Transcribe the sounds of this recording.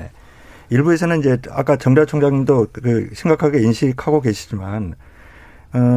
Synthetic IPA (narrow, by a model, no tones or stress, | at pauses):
e | iɭbue̞sʰʌnɯnid͡ʑe̞a̰k͈at͡ɕʌŋd͡ʑʌt͡ɕʰoŋd͡ʑaŋindokɯɕʰimɡakʰaɡe̞inɕʰikʰaɡoke̞ɕʰid͡ʑiman | ʌ